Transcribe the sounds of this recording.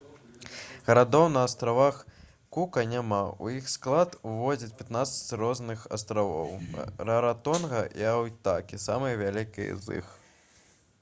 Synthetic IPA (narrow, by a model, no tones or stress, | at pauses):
ɣɐɾad̪ɔwnɐːst̪ɾavax | kukɐnʲamaṵjixsklˠat̪uvɔd͡zʲɐt͡sʲpʲat̪nat̪sɐ̥t͡sʲrɔznɨxa̰st̪ɾavɔ̰wrɐɾat̪ɔnɣɐʔiawt̪akʲisamɨjɐvʲalʲikʲḭj̰zɨ̰x